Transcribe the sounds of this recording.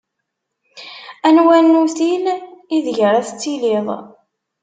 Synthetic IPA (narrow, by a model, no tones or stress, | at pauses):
ænwænːuθiniðʝəɾˤæθət͡sːiliðˤ